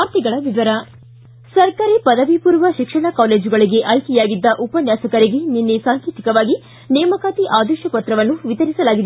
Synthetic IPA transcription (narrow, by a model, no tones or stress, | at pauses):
aːɾt̪iɡɐɭɐʋiʋɐɾɐ | sɐɾkaːɾipɐd̪ɐʋipuːɾʋɐʃikʂɐɳɐkaːleːd͡ʒuɡɐɭiɡe̞ʔɐjkɛjaːɡid̪ːɐʔupɐnjaːsɐkɐɾiɡe̞ninːesaːŋkiːt̪i̥kɐʋaːɡi | nɛːmɐkaːt̪iʔaːd̪ɛʃɐpɐt̪ɾɐʋɐnːuʋit̪ɐɾisɐlaːɡid̪e